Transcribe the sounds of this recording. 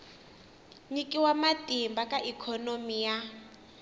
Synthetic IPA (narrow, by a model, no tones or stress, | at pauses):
ɲikʼiwamatʼimbakʼaʔikʰɔnomija